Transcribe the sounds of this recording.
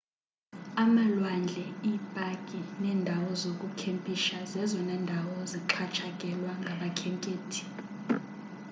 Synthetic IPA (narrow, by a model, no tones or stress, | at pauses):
amalwand͡ɮʱɛipʼakʼinɛːndʱawɔzok̬ʼukʰempʼiʃazɛzɔnɛːndʱawɔziǁʰat͡ʃʰʼakʼɛlwaŋɡʱaɓakʰɛŋkʼeːtʰi̥